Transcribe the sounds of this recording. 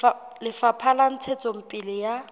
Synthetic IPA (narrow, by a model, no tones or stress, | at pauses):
lɪfapʰalan̩t͡sʰet͡sʼɔm̩pʼilɪja